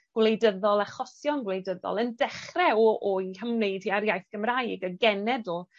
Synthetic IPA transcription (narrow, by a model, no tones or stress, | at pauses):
ɡ̥wlˠejdəðɔlˠaχɔsjɔnɡwlejdəðɔ̰lˠəndɛχrɛɔʔɔiɦəmneɨd̥hiaɾjajθɡ̥əmraːjɡəɡɛnɛdɔ